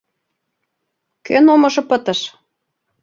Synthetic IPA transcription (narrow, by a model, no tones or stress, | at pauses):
kønomɤ̆ʃɤ̆pɤ̆t̪ɤ̆ʃ